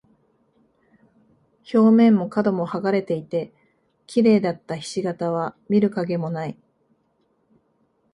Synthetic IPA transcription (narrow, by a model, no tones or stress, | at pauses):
ço̞ːmẽ̞mːo̞kad̪o̞mo̞haɡaɾe̞t̪e̞it̪e̞ | kʲʰiɾe̞ːd̪at̪ːaçi̥ɕiɡat̪aβ̞amʲiɾɯ̟kaɡe̞mo̞nai